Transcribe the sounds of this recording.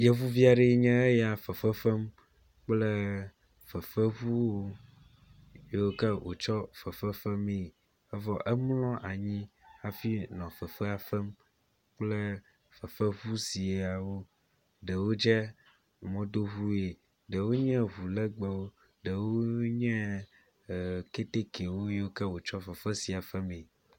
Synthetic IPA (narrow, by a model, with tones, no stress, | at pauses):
jɛ˦vu˦vi˦a˨ɖe˨˦ɲɛ̃˦e˦ja˨fə˨fə˦fɛ˦m | k͡plɛ˦ | fə˨fə˦βu˦wo˦ | je˦wo˦kɛ˦wʔo̰˨t͡ʃɔ˦fə˨fə˦fə˦me˦˨ | ɛ˦vɔ˦ʔɛ˦mlɔ̃˦ʔa˨ɲĩ˦a˨fi˦nɔ̃˨fə˨fɛ˦a˨fɛ˦m | k͡plɛ˦ | fɛ˨fɛ˦βu˦si˨e˨a˨wo˦ | ɖɛ˨wo˦d͡ʒɛ˦ | mɔ̃˦d̪o˦ɦu˦e˨ | ɖɛ˨wo˦ɲɛ̃˦ɦu˨lɛ˦ɡ͡bɛ˨wo˦ | ɖɛ˨wo˦ɲɛ̃˦˨ | ke˦t̪e˦ke˨wo˦je˦wo˦kɛ˦wo˨t͡ʃɔ˦fɛ˨fɛ˦si˨a˨fɛ˦mẽ˨